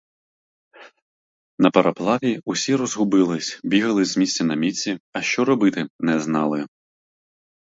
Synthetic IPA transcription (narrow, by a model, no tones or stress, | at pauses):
nɐpɐɾʔɐplˠɑʋʲiusʲiɾɔzɦʊbɪlˠɪsʲbʲiɦɐlˠɪzʲzmʲisʲt͡sʲɐnɐmʲit͡sʲːiɐʃt͡ʃɔɾɔbɪt̪ɪnɛznɑlˠɪ